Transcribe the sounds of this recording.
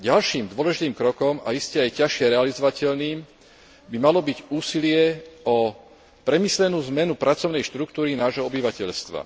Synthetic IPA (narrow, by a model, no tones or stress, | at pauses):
ɟalʃiːmd̪ʊɔlɛʒit̪iːmkɾɔkɔma̰iscɛajcaʃɪɛɾɛalizɔʋacɛʎniːm | bimalɔbiɟuːsilɪɛɔ | pɾɛmislɛnuːzmɛnupɾat͡sɔʊnɛjʃt̪ɾukt̪uːɾinaːʒɦɔɔbiʋacɛʎst̪ʋa̰